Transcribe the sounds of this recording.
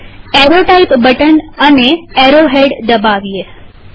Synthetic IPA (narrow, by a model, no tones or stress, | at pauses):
eɾoʈaipbəʈənəneeɾoɦeɖd̪əbaʋije